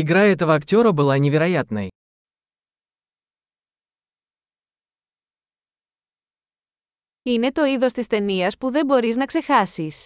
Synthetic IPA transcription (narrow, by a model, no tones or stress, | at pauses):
iɡɾaɛt̪ovɐɐktʲo̞ɾɐbɨlˠaɲʲeveɾɐjat̪nɐ̰j | ine̞t̪o̞iðo̞st̪ist̪e̞niɐspuðe̞mbo̞ɾiznɐkse̞xɐsis